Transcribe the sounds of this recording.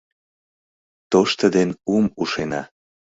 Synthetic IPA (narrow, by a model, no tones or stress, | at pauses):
t̪oʃt̪əd̪enumuʃenɑ̰